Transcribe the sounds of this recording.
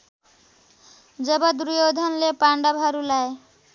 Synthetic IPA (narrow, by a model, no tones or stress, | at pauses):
d͡ʒəbad̪ɾujod̪ʱɔnlepaɳɖabʱaɾulae